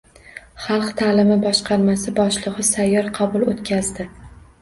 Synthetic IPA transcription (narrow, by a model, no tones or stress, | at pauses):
χɑlˠqt̪ʰaːlɪmɪbɒʃqʰɑɾmasɪbɒʃlˠɨʁɨsajːɒɾqʰɑbʊlˠot̪kʲʰazd̪ɪ